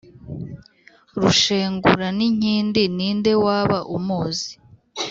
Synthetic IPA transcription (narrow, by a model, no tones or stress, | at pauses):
ɾuʃeːŋɡṵɾaniɲ̥iːndiniːnde̞waːβaʔumuːzi